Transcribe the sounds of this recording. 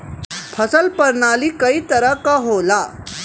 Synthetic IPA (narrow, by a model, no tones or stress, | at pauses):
pʰəsəlpəɾɳaliːkəiːt̪əɾəkaɦola